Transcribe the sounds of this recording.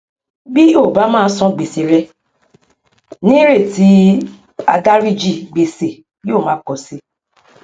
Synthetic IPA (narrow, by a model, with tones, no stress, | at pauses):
bi˦o˦˨ba˨˦mãː˦˧˦sɔ̃˧ɡ͡be˨se˧ɾɛ˧ | nĩ˦ɾe˦˨ti˨˦ | a˧da˦ɾi˦˨d͡ʒi˧˨ɡ͡be˧se˨ | jo˦˨mãː˨˦kɔ˨si˧˦